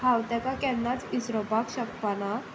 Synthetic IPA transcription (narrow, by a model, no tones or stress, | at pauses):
ɦawt̪akakɛnːat͡sisɾɔbakɕəkpana